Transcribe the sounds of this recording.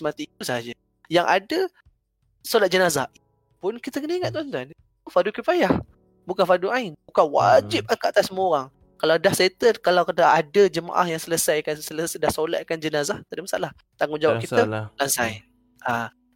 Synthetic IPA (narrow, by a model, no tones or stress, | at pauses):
mat̪iusaɦad͡ʒə | jaŋʔa̰də | solat̪̚d͡ʒənaza | pʊnkit̪əkənəiŋat̪̚t̪uant̪an | fadukipajah | bukanfaduaɪnbukanwa̰d͡ʒip̚akaat̪asəmuoɾaŋ | kalawdahset̪əkalawkad̪aadəd͡ʒəma̰ʔa̰hjaŋsələsajkansələsdahsola̰t̪̚kand͡ʒənazaht̪adəʔmasa̰lah | t̪aŋʊnd͡ʒawapkitəlansaj | ʔa